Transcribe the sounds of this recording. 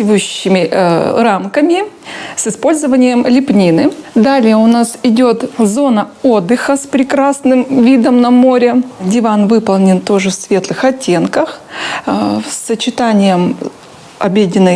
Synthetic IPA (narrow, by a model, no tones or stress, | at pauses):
vɨjʉɕːɪmʲɪramkəmʲɪsɨspo̞lʲzəvənʲɪjəmlʲɪpnʲinɨd̪alʲɪjəʊnasɪdʲo̞t̪zo̞nəo̞d̪ːɨxəspɾʲɪkɾasnɨmvʲid̪əmnɐmo̞ɾʲɪdʲɪvanvɨpəlˠnʲɪnt̪o̞ʐɨfsvʲe̞t̪lˠɨxɐtʲːe̞nkəx | sət͡ɕɪt̪anʲɪjəm | ɐbʲedʲɪnːəj